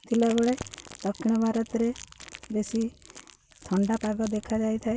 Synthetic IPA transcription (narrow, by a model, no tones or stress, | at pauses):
t̪ʰilaɡɔɽelɔkʰɽ̃ɔbʱaɾɔt̪ɾebesi | t̪ʰɔɳɖapaɡɔd̪ekʰad͡ʒajt̪ʰae